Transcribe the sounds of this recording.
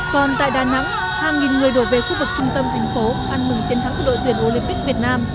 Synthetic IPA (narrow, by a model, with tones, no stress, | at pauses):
kɔ˨˩nt̪a̰ː˧˨jɗaː˨˩na̰˧˥ŋ | haː˨˩ŋi˨˩nŋɨ˨˩əjɗo˧˩ve˨˩xu˧vɨ˨˩k̚t͡ɕʊ˧ŋ͡mt̪ə˧mt̪ʰa˨˩jŋ̟fo˨˦ʔa˧nhɨ˨˩ŋt͡ɕe˧nt̪ʰa˨˦ŋk̚ːɗo̰˧˨t̪ɨ˧˩ənʔo˧lï˧mpi˦˥k̚vi˨˩ət̚naː˧m